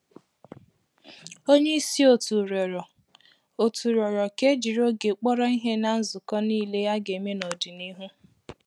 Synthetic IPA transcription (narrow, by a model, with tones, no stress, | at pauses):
o˦ɲe˦i˦si˦o˦˨tu˨ɾɔ˨ɾɔ˨ | o˨tu˨ɾɔ˨ɾɔ˨ke˦d͡ʒi˨ɾo˦ɡe˨k͡pɔ˦ɾɔ˦i˦ɦe˦na˦n̩˦zʊ˨kɔ˦niː˦˨le˦ja˦ɡe˨me˦no˨di˨ni˦ɦu˦